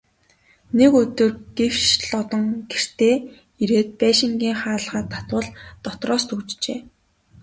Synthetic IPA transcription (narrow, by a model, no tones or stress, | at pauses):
nekɵt̪ɵ̆rɡ̥ew̥t͡ɕɮɔt̪ɞ̆ŋɡer̥t̪eː | iɾeːt̪̚pæːʃɪ̆ŋɡʲiːŋχaːɮʁaːt̪ʰːḁt̪wə̆ɮt̪ɔt̪rɔːst̪ut͡ɕt͡ɕḛː